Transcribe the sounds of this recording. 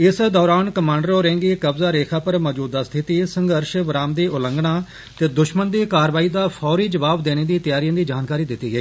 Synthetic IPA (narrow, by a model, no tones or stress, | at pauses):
ɪsd̪ɔːɾaːnkəmãːɳɖəɾoːɾɛ̃ːŋɡiːkəbzaːɾeːkʰaːpəɾmɔːd͡ʒuːd̪aːst̪ʰɪt̪iːsə̃ŋɡəɾʃʋɾaːmd̪iːʔʊlə̃ŋɡɽaː | t̪eːd̪ʊʃmənd̪iːkaːɾʋaːiːd̪aːpʰɔːɾiːd͡ʒəʋaːbd̪eːneːd̪iːt̪əjaːɾiə̃ːd̪iːd͡ʒaːnkaːɾiːd̪ɪt̪ːiːɡəiː